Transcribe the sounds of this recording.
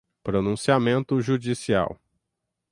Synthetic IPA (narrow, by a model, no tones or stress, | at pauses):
pɾonũsiamẽnt̪ʊʒud͡ʒisia̰w